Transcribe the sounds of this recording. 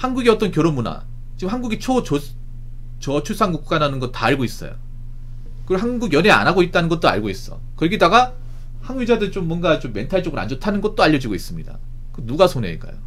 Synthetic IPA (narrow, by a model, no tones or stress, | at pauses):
hanɡuɡiʌt͈ʌnkjoɾomuna̰ | t͡ɕiɡɯmhanɡuɡit͡ɕʰot͡ɕo | t͡ɕʌt͡ɕʰuɭs͈ʰaŋɡuk̚k͈ananɯnɡʌt̚t͈aːɭɡois͈ʌ̰jo̰ | kɯɦanɡuɡjʌnea̰naɡoit̚t͈anɯnɡʌt̚t͈oa̰ɭɡois͈ʌ̰kɯɾʌɡedaɡa | hanwid͡ʑadɯɾit͡ɕomːwʌnɡat͡ɕomːe̞ntʰaɭt͡ɕ͈ʌɡɯɾa̰nd͡ʑʌtʰanɯnɡʌt̚t͈oaʎːʌd͡ʑiɡois͈ɯmɲida̰ | kɯnuɡasʰonḛːɭk͈a̰jo̰